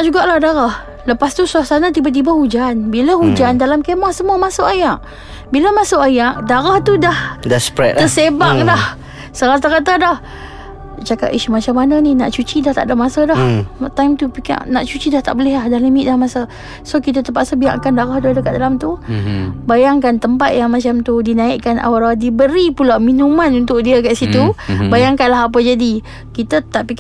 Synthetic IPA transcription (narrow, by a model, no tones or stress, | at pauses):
aʔd͡ʒuɡaʔlahdaɾah | ləpast̪usuasanat̪ibat̪̬ibahud͡ʒanbiləhud͡ʒandalamkemaʔsəmuəmasʊʔajaʔ | biləmasoʔajaʔdaɾaht̪udahdaspɾɛ̰t̪t̪əsebaŋdah | səɾat̪aɾat̪adah | t͡ʃaka̰t̪iʃumat͡ʃamananina̰ʔt͡ʃut͡ʃidaht̪a̰ʔdamasədaht̪ajmt̪upiknaʔt͡ʃut͡ʃidaht̪a̰ʔbəlɪhlahdahləmiʔ̪̚dahmasə | sokit̪at̪əpaʔsəbia̰ʔkandaɣahdʊhdəkat̪̚dalamt̪u | bajaŋkant̪əmpat̪̚jaŋmat͡ʃamt̪udinaɪʔkana̰waɾadibəɾipulawminumãnunt̪ʊʔ̚diəkaʔsit̪ubajaŋkanlaɦap̬əd͡ʒadi | kit̪ət̪aʔpik